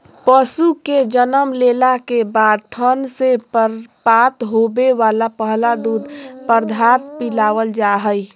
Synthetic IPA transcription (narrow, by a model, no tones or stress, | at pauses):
pəsuked͡ʒənəmleːlakebaːd̪̚t̪ʰənsepaːt̪ɦoːbeʋaːlapəɦlad̪uːd̪pəɾd̪ʱaːt̪̚pilaːʋəld͡ʒaɦəi